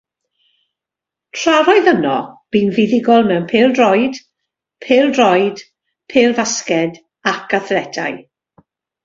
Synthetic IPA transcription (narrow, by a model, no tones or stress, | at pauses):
tʰr̥aɾɔɨðənɔ̰b̥iːnvɪðɪɡɔlˠmɛwnpʰeːlˠdrɔjd̥ | pʰeːlˠdrɔjd̥ | pʰeːlˠvaskɛd | akaθlɛdʰa̰j